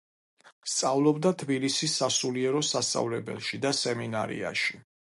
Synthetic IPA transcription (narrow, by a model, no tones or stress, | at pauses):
st̪sʼavlˠɔbd̪at̪ʰbilisisːasuliɛɾɔsast̪sʼa̰vlɛbɛ̰lˠʃid̪asɛminaɾḭa̰ʃi